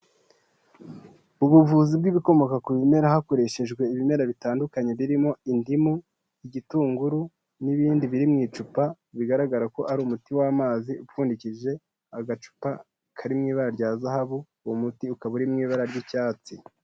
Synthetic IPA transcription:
uβuvuːzib̚ɡiβiko̞mo̞kakuβime̞ɾahako̞ɾe̞ʃe̞ʒɡwe̞iβime̞ɾaβitaːndukaɲe̞βiɾimo̞indimu | iɟituːŋɡuɾu | niβiːndiβiɾimŋiːt͡ʃupa | βiɡaɾaɡaɾako̞ʔaɾuːmutiwaːmaːziupfuːndiciʒe̞ | aɡat͡ʃu̥pa | kʰaɾimŋiːβaɾaɾɟaːzahaβu | omutiukaβuɾimŋiːβaɾaɾɟicaːt͡si

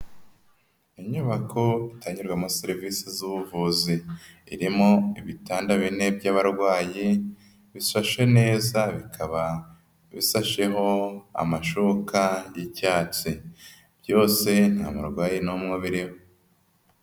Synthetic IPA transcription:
iɲuβakʰo̞itaɲiɾɡwamoseɾivisizuβuvuziːɾimo̞iβitaːndaβine̞bɟaːβaɾɡwaːji | βisaʃe̞ne̞ːzaβikʰaβa | βisaʃe̞ɦo̞a̰maʃukajicaːt͡si | b̥jo̞ːse̞n̥ha̰mṵɾɡwaːjinumŋoβiɾiho

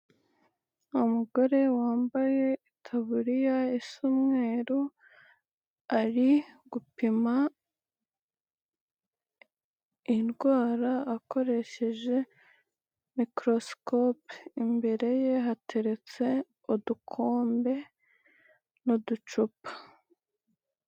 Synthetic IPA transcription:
umuɡo̞ɾe̞waːmbaje̞itʰaβuɾijaisumŋe̞ːɾo | aɾiɡupima | inɡwaːɾaːko̞ɾe̞ʃe̞ʒe̞ | mikɾo̞skopimbe̞ɾe̞je̞ɦatʰe̞ɾe̞t͡se̞ | odukʰo̞ːmbe̞ | nodut͡ʃupḁ

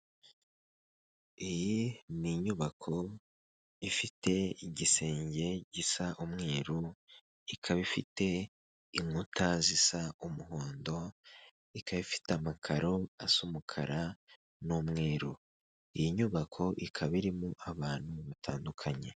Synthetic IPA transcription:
ijiniɲuβakʰo̞ | ifitʰe̞iɟise̞ːɲɟe̞ɟisaʔumŋe̞ːɾu | ikʰaβifḭte̞ | iŋutʰazisaumuɦo̞ːndo̞ | ikaβifi̥tamakʰaɾo̞asumukʰa̰ɾa | nomŋe̞ːɾu | ijiɲuβakʰo̞ʔikʰaβiɾimuʔaβaːn̥huβatʰaːndukʰaɲe̞̰

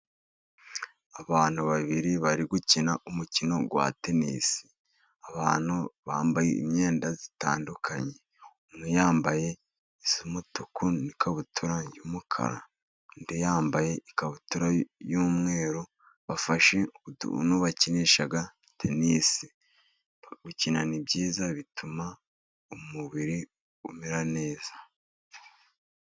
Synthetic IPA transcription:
aβaːn̥uβaβiɾiβaɾiɡucinaʔumucino̞ɡwa̰tenḭːsi̥ | aβaːn̥huβa̰ːmbajḛḭmɲe̞ːndazita̰ːndukʰaɲe̞ | mnujaːmbaje̞ | isumutukunikʰaβutuɾajumukʰa̰ɾa̰ | ndejaːmbaje̞ikaβutuɾajuːmŋe̞ːɾo | βafaʃetnuβaciniʃaɡa | tʰeniːsi | βucinanibɟiːzaβitʰuma | umuβiɾi | umiɾane̞ːz̥ḁ

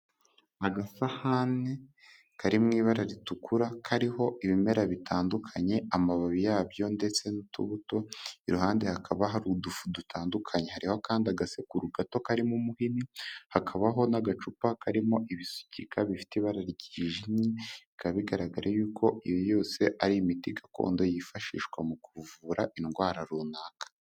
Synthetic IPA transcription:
aɡasahane | kʰaɾimŋiːβaɾaɾitukʰuɾakʰaɾiho̞ʔiβime̞ɾaβitʰaːndukʰaɲe̞amaβaβijaːβjo̞nde̞t͡se̞nutṵβuto̞iɾuhaːndehakʰaβaɦaɾudufudutʰaːndukʰaɲe̞haɾihokaːndiaɡasekuɾuɡato̞kaɾimumuhinihakʰaβaɦo̞naɡat͡ʃupakʰaɾimo̞ʔiβisu̥cʰikʰaβifi̥teβaɾaɾiɟiʒinɲikaβiɡaɾaɡaɾajuːkʰo̞ijojo̞ːse̞ʔaɾiːmitiɡako̰ːndo̞jifaʃḭːʃwamukuvuːɾaʔinɡwaːɾaɾuːnakḁ

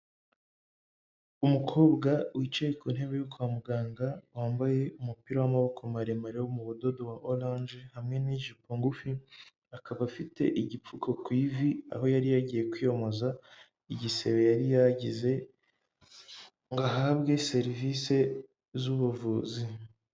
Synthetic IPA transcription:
umukʰo̞ːbɡawit͡ʃeekun̥he̞βejokuamuɡaːŋɡawaːmbaje̞umupiɾawamaβo̞kʰomaɾemaɾewomuβudo̞do̞waʔolãnd͡ʒehamŋe̞niʒipoŋɡufi | akaβafitʰe̞̰ʔiɟip͡fukʰo̞kwiːvia̰ɦo̞jaɾijaɟije̞kwijo̞mo̞za | iɟise̞βe̞jaɾijaɟize̞ | ŋɡaɦabɡe̞se̞ɾivise̞ | zuβuvuːzi

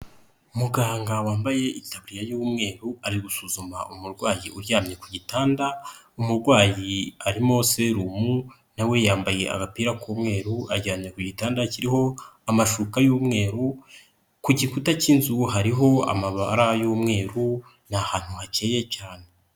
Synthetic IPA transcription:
umuɡaːŋɡawaːmbaje̞itaβuɾijajuːmŋe̞ːɾuaɾiɡusuzuma̰ʔumuɾɡwaːjiʔuɾɟaːmɲe̞kuɟitaːnda | umuɾɡwaːjiaɾimo̞se̞ɾumu | nawe̞jaːmbaje̞̰ʔa̰ɡapiːɾakʰuːmŋe̞ːɾuʔaɟaːmɲekuɟitaːndaciɾiho̞amaʃukajuːmŋe̞ːɾu | kuɟikutaciːnzuɦaɾiɦo̞a̰maβaɾajuːmŋe̞ːɾu | n̥ahaːn̥huhace̞ːje̞caːne̞

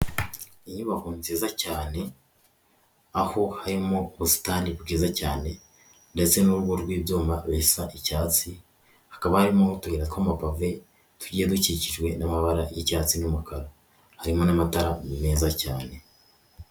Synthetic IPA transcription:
iɲuβahuːnziːzacaːne̞ | aho̞haɾimo̞ːβusi̥taːniβuɡiːzacaːne̞ | nde̞t͡se̞nuɾuɡoɾɡwiːbjoːmaβeisaʔicaːt͡si | hakaβahaɾimo̞tuheɾatwamapave̞ | tuɟieduciciʒɡwe̞namaβaɾajecaːt͡sinomukaɾo | haɾimo̞namataɾamimeːzacaːne̞

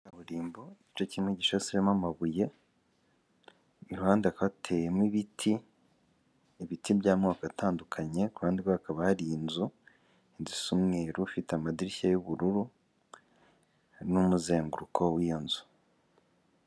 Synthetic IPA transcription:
aβuɾiːmboiit͡ʃociimeɟiʃasiɾemamaβuje | iɾuhaːndeakaβatʰe̞jemwiβitʰi | βitʰibɟaːmŋaːkataːndukʰaɲe̞kuhaːndikwoakaβahaɾiːnzu | inzisumŋeɾufiteamadiɾiçajuβuɾuɾu | numuze̞ːŋɡuɾukʰo̞wijonzu̥

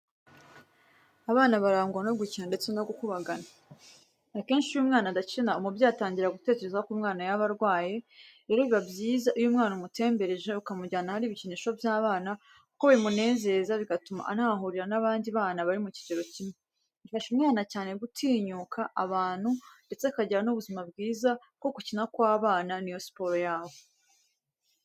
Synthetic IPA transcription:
aβaːnaβaɾaːŋɡonoɡicinunde̞t͡senaɡukuβaɡana | ake̞ːnʃiujumŋaːnadat͡ʃinaumubjaːtaːɲɟiɾaɡute̞ːce̞ɾe̞zaokumŋaːnajaβaɾɡwaːjeɾe̞ːɾoβiβabjiːzaʔujumŋaːnumute̞ːmbe̞ɾeʒe̞ukamuɟaːnahaɾiːβiciniːʃo̞vjaːβaːna | kukoβaɾimune̞ːze̞ːzaβiɡatuma̰ʔanhaːɦuɾiɾanaβaːndiβaːnaβaɾimuci̥ɟeɾo̞cime | βifaʃumŋaːnacaːne̞ɡutʰiːɲukʰaʔaβaːn̥hunde̞t͡se̞kaɟiɾanuβuzimab̚ɡiːza | ko̞kucinakwaːβaːnanijosi̥po̞ɾojaːβo

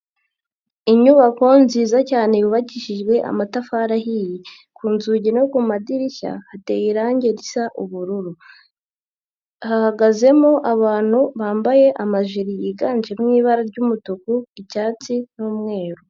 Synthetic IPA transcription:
iɲuβako̞nziːzacaːnejuβaɟiʃiʒɡwe̞ʔa̰matafaɾaɦiji | kuːnzuɟinokumadiɾiça̰hate̞jiɾaːɲɟe̞ɾisaʔuβuɾuɾu | hahaɡaze̞moʔaβaːn̥huβaːmbaje̞ʔamaʒiɾijiɡaːnd͡ʒeɾmwiːβaɾaɾɟumutukuicaːt͡sinuːmŋe̞ːɾu

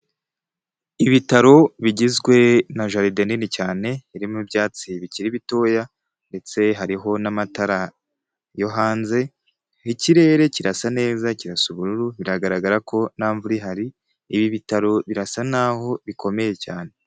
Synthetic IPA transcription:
iβitaɾo̞βiɟizɡwe̞naʒaɾidaninicaːne̞iɾimubjaːt͡siβiciɾiβito̞ːja | nde̞t͡se̞ɦaɾiɦo̞namataɾa | joɦaːnze̞ | hiciɾe̞ːɾe̞ciɾasane̞ːzaciɾasuβuɾuɾuβiɾaɡaɾaɡaɾakʰo̞naːɱvuɾiɦaɾiː | βiβitaɾo̞βiɾasanaːho̞βikʰo̞me̞je̞caːne̞

